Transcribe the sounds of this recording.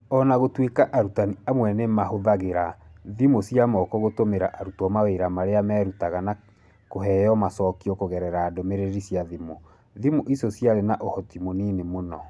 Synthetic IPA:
ɔnaɣotwekaʔaɾutaniamwɛnemahoðaɣeɾaðimosiamɔkɔɣotomeɾaʔaɾutɔmaweɾamaɾeamɛɾutaɣana | koɦɛjɔmasɔkiɔkoɣɛɾɛɾaːdɔmeɾeɾisjaðimo | ðimoʔisosjaɾenaʔohɔtimoninemonɔ

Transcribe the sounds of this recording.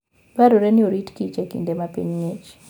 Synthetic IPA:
baɾoɾɛnɪoɾitkit͡ʃekḭndemapḭɲŋet͡ʃ

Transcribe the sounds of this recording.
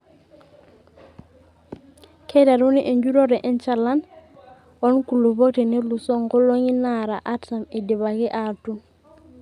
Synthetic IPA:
kʰedaɾuniʔeɲɟuɾoɾeʔent͡ʃalːan | wonkulubok̚tenelusoŋkoloɲinaɾa̰ʔatamedibaɡeʔatun

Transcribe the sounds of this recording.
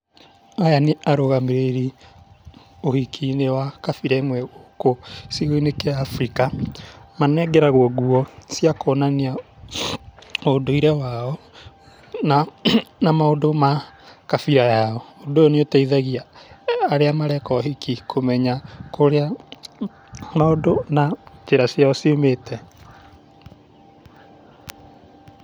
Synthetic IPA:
ajaneaɾoɣameɾeɾi | ohikʰinewakafiɾaemwɛɣokosiɣoinekeafɾikamanɛɡɛɾaɣwɔɡuɔsjakɔːnanea | odoiɾɛwaɔ | nanamaondomakafiɾajaɔodooneotaiðaɣiaː | ɾeamaɾɛkɔɦikikʰomɛɲakoɾea | maodonad͡ʒeɾasjaɔsiometʰɛ

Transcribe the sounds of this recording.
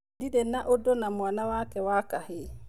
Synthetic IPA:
didɛnːaʔɔdɔnamɔanawaːkɛwakahe

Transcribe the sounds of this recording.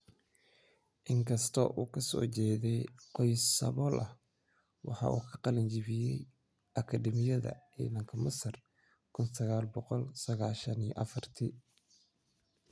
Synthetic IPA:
ʔɪŋkʰɐst̪ʰɔʔuːkʰɐsɔ̰ːt͡ʃɛːðɛjqɔjsɐ̰βɔlʔɐh | wɑ̰ħɑ̰ːʔṵːkʰɐqɑlɐɲt͡ʃɪβɪjɛj | ʔɐkʰɐdɛmɪjɐðɐ̰ʕḭːnɐŋkʰɐmɐsɐr | kʰʊnsɐɣaːlbɔqɔlsɐɣaːʃɐnḭj̰ʔɐfɐrt̪ʰi

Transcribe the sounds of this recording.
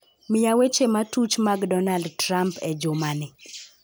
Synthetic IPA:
mɪjawet͡ʃematut͡ʃmaɡdɔnaldtɾampɛd͡ʒʊmanɪ

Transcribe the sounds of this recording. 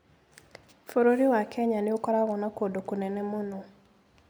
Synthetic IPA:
foɾoɾiwakʰɛɲaniukɔɾaɣɔnakodokunɛnɛmono

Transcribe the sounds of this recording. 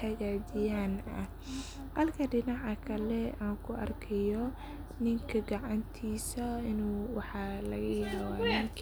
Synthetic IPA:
ɐɣaːdɪjaːnɐ̰ | hɐlkʰɐɖɪnɑʕɐkʰɐlɛaːŋkʰʊʔɐ̰rkʰɛjɔ | nɪŋkʰɐɡɑʕɑnt̪ʰiːsɐɪnuːwɑħɑlɐɣɐjawaːnakʰ

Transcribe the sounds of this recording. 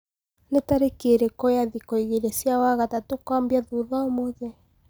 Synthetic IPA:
netaɾekeɾekɔjaðikɔiɣeɾesjawaɣatatokwambjaðuðaomoðɛ

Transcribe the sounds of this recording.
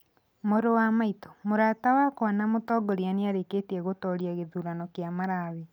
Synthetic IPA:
moɾowamaitɔmoɾaːtawakɔnamotɔːɡɔɾianeaɾeketiɛɣotɔɾjaɣeðuːɾanɔkjamaɾaβi

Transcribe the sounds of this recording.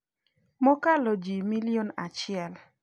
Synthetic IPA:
mɔkalɔd͡ʒimilionat͡ʃɪɛl

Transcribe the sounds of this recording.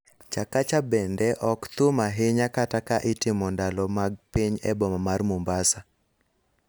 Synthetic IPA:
t͡ʃakat͡ʃabɛndɛʔɔkt̪ʊmaɦɪɲakatakaʔɪtɪmɔndalɔmaɡ̚piɲɛbɔmamarmombasa

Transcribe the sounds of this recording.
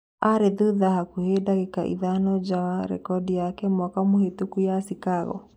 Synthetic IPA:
aɾeðuðahakuhedaɣeka̰ʔḭðanɔd͡ʒawaɾɛ̰kɔdijakɛmwakamohetukujasikaɣɔ̰

